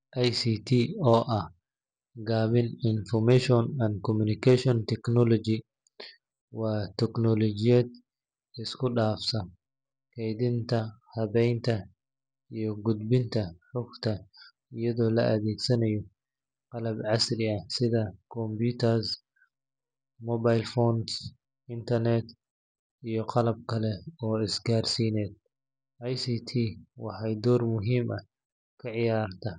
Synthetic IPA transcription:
ʔajsit̪ʰiːɔːʔɐh | ɡaːβɪnɪnfɔmɛʃɔnɐnd̪kɔmʊnɪkɛʃɔnt̪ɛknɔlɔd͡ʒi | wɐt̪ɛknɔlɔd͡ʒɪjɛd̪ | ɪskʊɗaːfsɐ | kɛjd̪ɪnt̪ʰɐhɐbɛjnt̪ʰɐ | ijɔɡʊd̪bɪnt̪ʰɐħʊkt̪ʰɐ | ijɐðɔːlɐ̰ʔɐðɛːɡsɐnɐjɔ | qɑlɐbʕɑslɪɐsɪðɐkʰɔmbuːt̪ʰɐrs | mɔβajlfɔːns | ɪnt̪ʰɐrnɛt̪ | ijɞqɑlɐb̚kʰɐlɛɔːɪsɡaːrsiːnɛːd̪̚ | ʔɐjsiːt̪ʰiːwɑħɑjd̪ɔːrmʊɦiːmʔɐ | kʰɐʕɪjaːrt̪ʰɐ

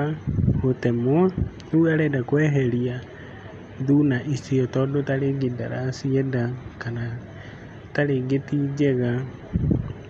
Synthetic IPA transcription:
ahotɛmwa | newaɾɛdakwɛːɦɛɾia | ðunaʔisiɔtɔːdotaɾeɡidaɾasiɛdakana | taɾeɡetiːd͡ʑɛɣa

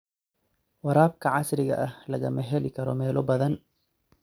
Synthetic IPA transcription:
wɑɾaːb̚kʰɐʕɑsɾɪɣɐ̰ʔɐhlɐɣɐmɐɦɛlɪkʰɐɾɔmɛːlɔbɐðɐn

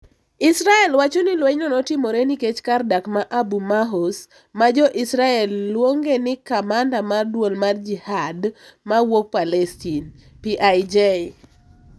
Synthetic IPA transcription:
isɾaɛlwat͡ʃɔnɪlwɛɲnɔnɔtɪmoɾeniket͡ʃkardakmaʔabumaɦos | mad͡ʒɔʔisɾaɛlːwoŋɡenɪkamandamardwolmard͡ʒihadmawok̚palɛstin | piʔajd͡ʒe

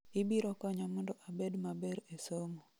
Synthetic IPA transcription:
ɪbiɾɔkɔɲɔmɔndɔʔabedmabɛɾesomo

